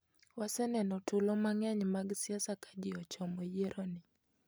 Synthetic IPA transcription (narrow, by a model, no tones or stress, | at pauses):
wasɛnɛnɔtulɔmaŋaɲmaɡsiasakad͡ʒɪɔt͡ʃɔmɔjeɾʔɔnɪ